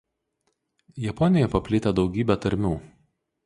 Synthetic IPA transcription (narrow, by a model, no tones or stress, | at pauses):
jɛpɔnʲɪjɛpɐpʲlʲɪt̪ʲɛd̪ɒʊɡʲiːbʲɛt̪ɐɾʲmʲuː